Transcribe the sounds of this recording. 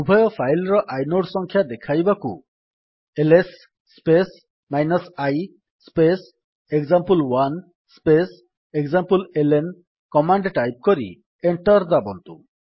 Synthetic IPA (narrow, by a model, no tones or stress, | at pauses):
bubʱɔjɔpʰajlɾɔʔajnoʈsɔŋkʰjad̪ekʰajbakṵ | elesː | pes | majnɔsaj | spes | ekzampulwan | spes | ekzampulelen | kɔmaɳɖʈajp̚kɔɾḭ | eɳʈɔɾd̪abɔnt̪u